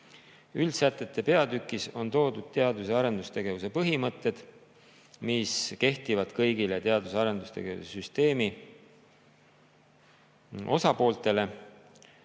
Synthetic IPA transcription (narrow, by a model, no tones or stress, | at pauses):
ylsæt̪ːˑe̞t̪ːˑe̞pe̞ɑd̪ykːˑiso̞nt̪o̞ːd̪ud̪̥̚t̪e̞ɑd̪useɑɾe̞nd̪ust̪e̞ɡe̞vuse̞pɤɦimɤt̪ːˑe̞d̪̥ | miske̞ht̪ivɑd̪̥kɤjɡilet̪e̞ɑd̪usɑɾe̞nd̪ust̪e̞ɡe̞vṵsesyst̪e̞ːmi | o̞sɑpo̞ːlt̪e̞le̞